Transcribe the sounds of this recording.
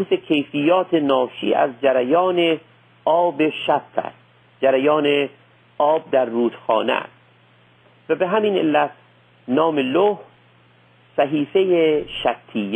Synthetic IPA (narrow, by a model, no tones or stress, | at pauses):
usekʰejfijːɒːt̪ʰenɒːʃḭːʔæ̰zd͡ʒæɾæjɒːne | ʔɒːbeʃæb̚t̪ʰæ̰ɾd̪ | d͡ʒæɾæjɒːne | ɒːb̚d̪æɾːuːd̪̥xɒ̰ːnḛæ̰st̪ | væbeɦæmiːnḛlːæt̪ | nɒːmeloh | sæɦiːfejeʃækt̪ʰijː